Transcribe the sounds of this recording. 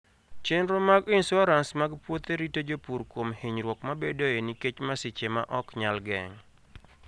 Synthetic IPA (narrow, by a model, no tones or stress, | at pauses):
t͡ʃenɾomaɡɪnsɔɾansmaɡpwot̪eɾitod͡ʒopuɾkwomhiɲɾwɔkmabedoeniket͡ʃmasɪt͡ʃema̰ʔɔkɲalɡɛ̰ŋ